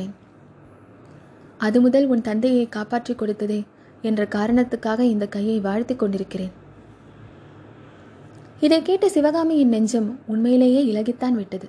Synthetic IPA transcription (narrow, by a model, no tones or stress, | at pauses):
eːn | ɐðɯmʊðɐlʊnt̪ɐnd̪ɐjɐɪkaːpaːʈrɪkːɔɽɯt̪ːɐðeː | ɛndrɐkaːɾɐɳɐt̪ːɯkːaːɣɐɪnd̪ɐkːɐjːɐɪʋaːɻt̪ɪkːɔɳɖɪɾɯkːɪreːn | ɪðɐɪkːeːʈːɐsɪʋɐɣaːmɪjɪnɛɲd͡ʒɐmʊɳmɐjɪleːjeːɪlɐɣɪt̪ːaːnʋɪʈːɐðɯ